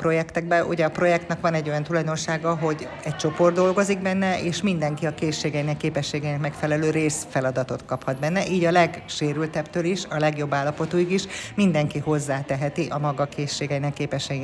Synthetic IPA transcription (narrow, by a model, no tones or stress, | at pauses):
pro̞jɛkt̪ɛɡ̚bɛʔṵɟɛːpro̞jɛkt̪nɛkʋɒnɛɟːo̞jɒnt̪ulɒjd̪o̞nʃaːɡɒɦo̞ɟ | ɛc̚t͡ʃo̞po̞rd̪o̞lɡo̞ziɡbɛnːɛʔeːʃmind̪ɛŋkiɒkeːʃːeːɡɛjinɛkːeːpɛʃːeːɡɛjinɛkmɛkfɛlɛløːɾeːsfɛlɒd̪ɒt̪o̞t̪kɒphɒd̪̚bɛnːɛʔiːɟɒlɛɡʃeːɾylt̪ɛbt̪øːliʃɒlɛɡjo̞bːaːlːɒpo̞t̪oːiɡiʃmind̪ɛŋkiho̞zːaːt̪ɛɦɛt̪iʔɒmɒɡɒkeːʃːeːɡɛjinɛkːeːpɛʃɛji